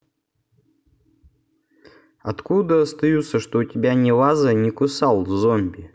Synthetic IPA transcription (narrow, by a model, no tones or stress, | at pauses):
ɐt̪kud̪əɐst̪ɐjut̪sːəʂt̪oʊtʲɪbʲanʲɪvazənʲɪkʊsalˠvzomʲbʲɪ